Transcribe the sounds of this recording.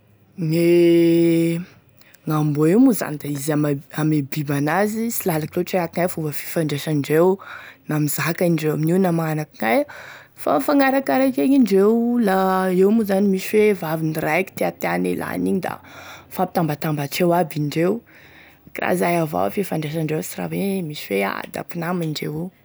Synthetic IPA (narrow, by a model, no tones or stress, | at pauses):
ne | ŋamboewmuza̰nid̪aizamamebibanazisilalakirewʈ͡ʂeakiŋajfuvəfi̥faɳɖ͡ʐeʃaɳɖ͡ʐewnamizaɦkaiɳɖ͡ʐewa̰miniwnamanakiŋaj | fa̰faŋaɾakaɾakeɲiɳɖ͡ʐewlaewmuzanimiswevavinirajki̥t̪eat̪eanḛlʔa̰niɲid̪a̰fapit̪ambat̪ambaʈ͡ʂewabiɳɖ͡ʐew | kira̰zajava̰vfifaɳɖ͡ʐeʃ̬aɳɖ͡ʐewsira̰wemiswea̰d̪a̰pinamiɳɖ͡ʐḛwe